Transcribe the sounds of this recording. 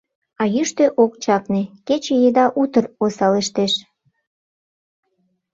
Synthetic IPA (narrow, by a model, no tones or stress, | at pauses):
ɑjyʃt̪eʔok̚t͡ɕɑknĕket͡ɕejed̪ɑʔut̪ərosɑleʃt̪eʃ